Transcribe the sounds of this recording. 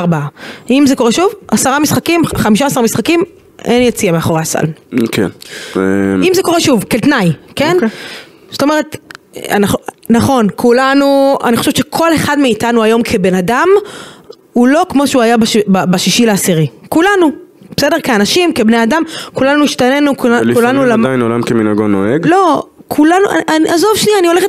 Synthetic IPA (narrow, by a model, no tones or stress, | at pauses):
ʁbaaimzeko̞ʁeʃuvasaʁamisχakimχamiʃ̬asaʁamisχakim | ʔenjet͡siameaχo̞ʁeasa̰lkḛn | imzeko̞ʁeʃuvkelt̪najken | so̥tome̞ʁet | a̰nχ | naχo̞nkʰulanua̰nixχo̞ʃevʃekʰo̞le̞χadmeitanuajo̞mkʰe̞be̞nadam | ulo̞kmo̞ʃeuajabaʃbabaʃiʃileasiʁikulanubesede̞ʁkeanaʃimke̞bne̞adamkulanuiʃtane̞nuklikulanulaajnolamkeminaɡonoeɡlo̞kʰulanuʔa̰ʔaniʔazovʃnianio̞leχet